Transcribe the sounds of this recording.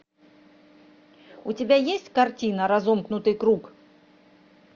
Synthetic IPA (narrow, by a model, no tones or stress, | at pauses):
utʲɪbʲajesʲtʲkɐrtʲinəɾɐzomknʊt̪ɨjkɾuk